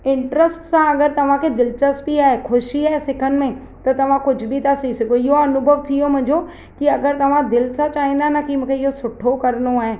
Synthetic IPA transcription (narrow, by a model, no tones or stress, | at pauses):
ɪ̃ɳʈɾəsʈsãɐɡəɾt̪ɐʋ̤ãkʰed̪ɪlt͡ʃəsbiaːɦekʰʊʃiaːɦesɪkʰənɪ̆mẽ | t̪ɐt̪ɐʋ̤ãkʊd͡ʒʱʊbʱit̪asisɐɡoɪɦoɐnʊbʱəʋt̪ʰiomʊ̃ɦɪ̃ɲd͡ʑo | kiɐɡəɾt̪ɐʋ̤ãd̪ɪlsãt͡ʃaːɦĩːn̆d̪anakimũːkʰeɪɦosʊʈʰokɐɾnoaːɦeː